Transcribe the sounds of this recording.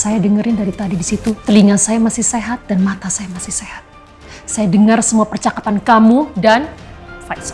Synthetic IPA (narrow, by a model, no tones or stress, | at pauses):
sajadəŋəɾɪndaɾit̪adidisit̪ut̪əliŋansajamasɪhseɦat̪̚danmat̪asajamasihsehat̪̚ | sajadəŋarsəmuapərt͡ʃakapankamudanfas